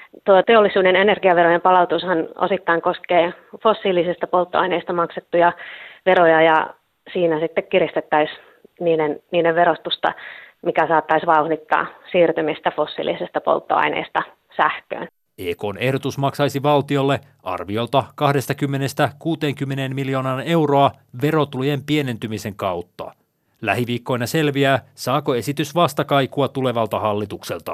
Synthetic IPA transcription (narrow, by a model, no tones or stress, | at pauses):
t̪uɑt̪eolːisuːdenenerɡiɑʋerojempɑlɑut̪ushɑno̰sit̪ːɑiŋkoskeː | fosːiːlisist̪ɑpolt̪ːoɑineːst̪ɑmɑkset̪ːujɑʋerojɑjɑ | siːnæsit̪ːekkirist̪et̪ːæis | niːdenniːdeʋʋerost̪ust̪ɑ̰mikæsɑːt̪ːɑisʋɑuhdit̪ːɑ̰ːsiːrt̪ymist̪æfosːḭlḭsist̪ɑpo̰lt̪ːo̰ɑ̰inḛːst̪ɑ | sæhkø̰ːn | eːko̞ːne̞hdo̞t̪usmɑksɑjsiʋɑlt̪io̞lːe̞ | ʔɑ̰rʋio̞lt̪ɑkɑhde̞st̪ɑkymːe̞ne̞st̪ækuːt̪e̞ːŋkymːeneːmmiljo̞ːnɑːne̞wro̞ɑ | ʋe̞ɾo̞t̪ulujempie̞ne̞nt̪ymise̞ŋkɑut̪ːɑ̰ | læɦiʋiːkːo̞jnɑse̞lʋiæːsɑːko̞e̞sit̪ysʋɑst̪ɑkɑjkuɑt̪ule̞ʋɑlt̪ɑhɑlːit̪ukse̞lt̪ɑ